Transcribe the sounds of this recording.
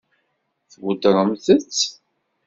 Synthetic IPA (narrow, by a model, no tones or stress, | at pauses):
θwʊd̪ɾˤəmθət͡sː